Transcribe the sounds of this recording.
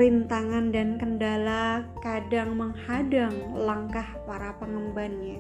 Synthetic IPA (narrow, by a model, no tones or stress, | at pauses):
int̪aŋandankəndalakadaŋməŋhadaŋlaŋkahpaɾapəŋəmbanɲa